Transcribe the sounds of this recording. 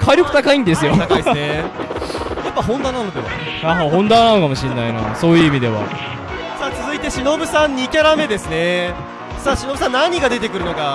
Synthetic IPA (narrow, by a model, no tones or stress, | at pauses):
kʰaɾʲjokɯ̟t̪akaĩnd̪e̞sɨjo̞t̪akaie | japːaɦõ̞nd̪aːnano̞d̪e̞βa̰ | aɦaɦõ̞nd̪aːnano̞kamo̞ɕĩnːaina̰so̞ːjɯ̟imʲid̪e̞βa̰ | saːt͡sɨzɨit̪e̞ɕino̞bɯ̟sãɲ̟ːiːkʲeɾame̞d̪e̞sɨne̞ | saːɕino̞bɯ̟sãnːãɲ̟iɡad̪e̞t̪e̞kɯ̟ɾɯ̟no̞ka